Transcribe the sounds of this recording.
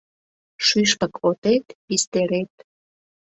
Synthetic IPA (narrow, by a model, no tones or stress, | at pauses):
ʃyʃpəkʰot̪et̪pist̪eɾet̪